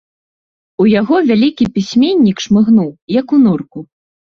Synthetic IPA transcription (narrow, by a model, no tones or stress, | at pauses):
ujaɣɔvʲalʲikʲipʲisʲmʲenʲːikʂmɨɣnuwjɐkunurku